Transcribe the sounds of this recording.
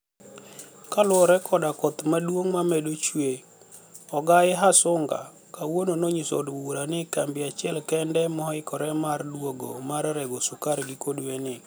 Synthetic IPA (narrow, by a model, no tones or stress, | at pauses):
kalʊɾɛkʰɔdakɔt̪madwoŋmamɛdot͡ʃwe | ɔɡajɪɦasʊŋɡa̰ | kawononoɲiso̰duɾanɪkambɪat͡ʃɪɛlkɛndɛmɔɦɪkɔɾɛmardwoɡo̰maɾɾɛɡosukaɾɡɪkodwenɪ